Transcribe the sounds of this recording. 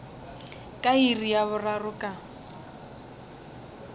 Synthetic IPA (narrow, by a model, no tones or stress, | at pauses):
kʼairijaβʊrarʊkʼa